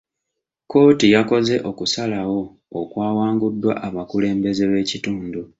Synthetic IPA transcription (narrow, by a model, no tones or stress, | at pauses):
ko̞ːtijako̞ze̞ʔo̞kusalawo̞ː | kwaːwaːŋɡudːwa̰ʔaβakule̞ːmbe̞ze̞βe̞ːcituːndu